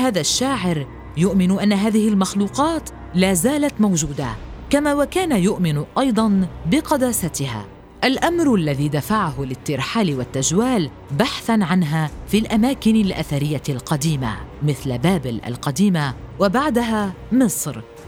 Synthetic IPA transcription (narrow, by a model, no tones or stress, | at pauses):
haːðaʃːaːʕɪɾ | jʊʔmɪnʊʔanːaɦaːðɪhɪlmaxluːqɑːt̪ | laːzaːlat̪mawʒuːd̪akamaːwakaːnajʊʔmɪnʔɑjd̪ˤɑnbɪqɑd̪aːsat̪ɪha̰ː | ʔalʔamɾʔlːaðiːd̪afaʕaɦʊlɪt̪ːɪɾħaːlɪwat̪ːad͡ʒwaːl | baħθanʕanɦaːfiːlʔamaːkɪnalʔaθaɾɪjːalqɑd̪iːma̰mɪθlbaːbɪlʔa̰lqɑd̪iːmawabaʕd̪aɦaː | mɨsˤɾ